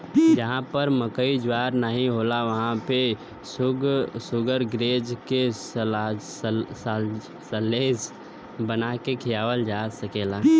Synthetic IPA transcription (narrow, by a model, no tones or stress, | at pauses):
d͡ʒəɦãpəɾməkəid͡ʒwaːɾnaɦĩɦoːlaʋəɦãpe | sɡsʊɡəɾɡɾeːd͡ʒkes | səleːs | bənakekʰɪjaːʋəld͡ʒaːsəkeːlaː